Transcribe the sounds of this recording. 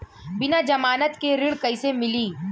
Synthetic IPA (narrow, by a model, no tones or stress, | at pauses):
bɪnad͡ʒɐmaːnət̪keɾɪɽkɐɪsemɪliː